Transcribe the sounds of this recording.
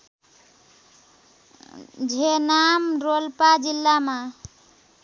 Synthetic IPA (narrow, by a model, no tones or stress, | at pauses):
d͡ʒʱenamɾolpad͡ʒilːama